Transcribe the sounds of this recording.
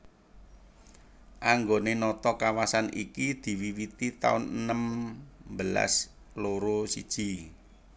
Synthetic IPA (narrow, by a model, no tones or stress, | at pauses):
ʔaŋɡonenɔt̪ɔkawasanḭkid̪̥i̤wiwit̪it̪a̰ʊnənəmbəla̰s | loɾosid̥ʒ̥i̤